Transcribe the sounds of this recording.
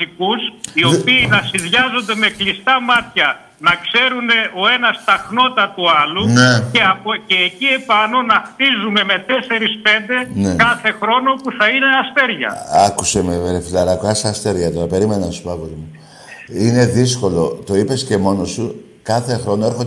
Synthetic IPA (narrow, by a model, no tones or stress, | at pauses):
ikusio̞piːnɐsiðʝɐzond̪e̞me̞klist̪ɐmɐt̪çɐ | nɐkse̞ɾune̞ʔo̞e̞nɐst̪ɐxno̞t̪ɐt̪uɐluneeɐpoce̞ːcie̞pɐno̞nɐxt̪izume̞me̞t̪e̞se̞ɾispe̞nd̪e̞nekɐθe̞xɾo̞no̞puθɐine̞ɐst̪e̞ɾʝɐ̰ɐkusemeɾefilɐɾɐkɐsɐst̪e̞ɾʝɐt̪oɾɐpe̞ɾime̞nɐnsupɐkot̪imu | ine̞ðisko̞lo̞t̪o̞ipe̞sce̞mo̞no̞su | kɐθe̞xɾo̞no̞e̞ɾxo